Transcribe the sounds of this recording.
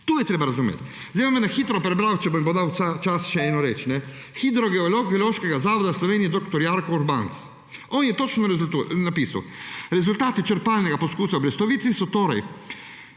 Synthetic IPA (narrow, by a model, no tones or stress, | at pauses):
t̪uːjɛt̪ɾeːbaɾazumḛːt̪ | zd̪emɔmɛnaxiːt̪ɾɔpɾɛbɾawt͡ʃɛboimbod̪awat͡ʃasʃɛɛːnɔɾet͡ʃnɛ | xid̪ɾɔɡɛɔloɡɛloːʃkɛɡazaːʋɔd̪aslɔʋeːnijɛd̪ɔkt̪ɔɾjaɾkɔuɾbant̪s | ɔːnjɛt̪ot͡ʃnɔɛunapiːsa̰wɾɛzult̪aːt̪it͡ʃəɾpaːlnɛɡapɔskuːsawbɾɛst̪ɔʋiːt̪sisɔt̪oːɾa̰j